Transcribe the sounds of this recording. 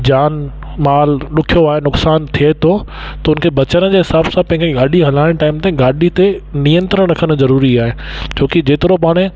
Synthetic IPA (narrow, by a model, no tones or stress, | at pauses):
d͡ʑaːn | maːlɗʊkʰijoaːɦenʊksaːnt̪ʰiet̪ʰot̪ɐʊnkʰebɐt͡ɕəɾ̃əd͡ʑeːɦɪsaːbsãpɐ̃ɪ̃kʰeɡaːɗiɦɐlaːɪɽ̃ʈaːɪmt̪ẽɡaːɗit̪enijə̃nt̪ɾəɽ̃ɾɐkʰəñzɐɾuːɾiaːɦed͡ʑoːkid͡ʑeːt̪ɪɾopaːɽ̃e